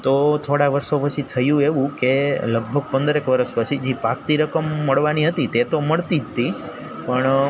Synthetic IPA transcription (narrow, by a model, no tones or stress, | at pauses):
t̪ot̪ʰoɽaʋəɾʃopət͡ʃʰit̪ʰəjũeʋũkeləɡ̚bʱəɡ̚pənd̪əɾekʋəɾəʃpət͡ʃʰid͡ʒipak̚t̪iɾəkəmːəɭʋaniɦət̪it̪et̪oməɭt̪id͡ʒt̪i | pəɳ